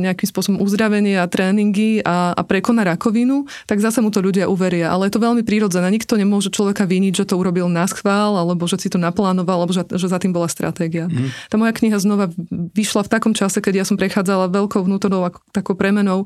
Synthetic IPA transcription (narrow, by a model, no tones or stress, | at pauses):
ɲɛakimspʊɔsɔbɔmʔuzd̪ɾaʋɛɲɪɛat̪ɾɛːniŋɡiaa̰pɾɛkɔnaɾakɔʋinu | t̪aɡzasɛmut̪ɔʎuɟɪaʔuʋɛɾɪaʔa̰lɛjɛt̪ɔʋɛʎmipɾiɾɔd͡zɛnɛːɲikt̪ɔɲɛmʊɔʒɛt͡ʃlɔʋɛkaʋiɲid͡ʑʒɛt̪ɔuɾɔbilnasxʋaːlalɛbɔʒɛsit̪ɔnaplaːnɔʋalalɛbɔʒɛʒɛzat̪imbɔlast̪ɾʔa̰t̪ɛːɡiat̪amɔjakɲiɦaznɔʋaʋiʃlaft̪akɔmt͡ʃasɛkɛɟjasɔmpɾɛxaːd͡zalaʋɛʎkɔʊʋnuːt̪ɔɾnɔʊakt̪akɔʊpɾɛmɛnɔʊ